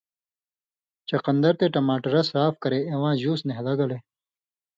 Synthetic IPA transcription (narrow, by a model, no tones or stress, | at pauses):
t͡ʃɐqɐnd̪ɐɾt̪eʈɐmaːʈɐɾɐsɾaːfkɐɾeewãːʑuːsneɦlɐɡɐle